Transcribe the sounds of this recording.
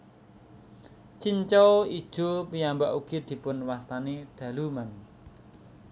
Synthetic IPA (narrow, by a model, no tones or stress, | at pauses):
t͡ʃiɲt͡ʃɔid̥ʒ̥o̤pijambaʔuɡ̥i̤d̪̥i̤pʊnwast̪aned̪̥ä̤luman